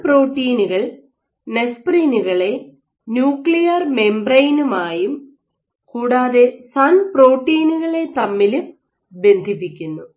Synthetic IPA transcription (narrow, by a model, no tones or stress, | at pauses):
pro̞ːʈːiːnuɣɐɭ | nespriːnuɣɐɭe̞ | njuːkɭijɐrme̞mbrɐjnumaːjum | kuːɽaːðesɐnpro̞ːʈːiːnuɣɐɭe̞t̪ɐmːilum | be̞nd̪ʱipːikʲːunːu